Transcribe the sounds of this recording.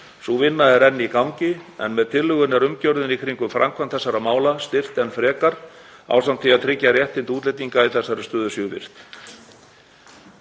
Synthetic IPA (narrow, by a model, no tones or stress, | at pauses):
suvɪnːaɛɾɛnːɪikawŋcɪɛ̰nmɛðt̪ʰɪlːʏɣʏnɛɾʏmcœwɾðɪnikʰɾiŋkʏmfɾa̰mkʰvant̪θɛsːaɾamaːwlast̪ɪr̥t̪ɛnfɾɛːkaɾ̥a̰ːwsamt̪ʰiat̪ʰɾɪcːarjɛht̪ɪnt̪uːt̪lɛjt̪iŋkaiθɛsːaɾɪst̪œːðʏsjʏːvɪ̰r̥t̪